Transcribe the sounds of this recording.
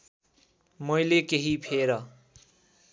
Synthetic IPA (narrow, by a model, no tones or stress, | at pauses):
mojlekeɦipʰeɾʌ